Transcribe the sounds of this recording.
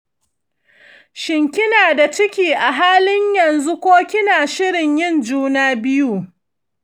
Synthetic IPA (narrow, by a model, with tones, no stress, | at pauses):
ʃɪ˨ŋkʲɪ˦naː˨da˨t͡ʃɪ˦kʲiː˨ʔa˨ɦaː˦lɪ˦ɲjɐ˨nzu˦kʷoː˦kʲɪ˦naː˨ʃɪ˦ɽɪ˨ɲjɪ˦nd͡ʒuː˦naː˦bɪ˦juː˦